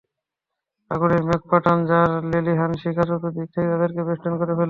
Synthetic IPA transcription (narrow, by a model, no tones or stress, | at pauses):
aɡuɾemek̚paʈʰand͡ʑaɾleliɦanʃikʰaʃot̪ud̪ik̚t̪ʰejt̪ad̪eɾkebeʃʈankoɾefel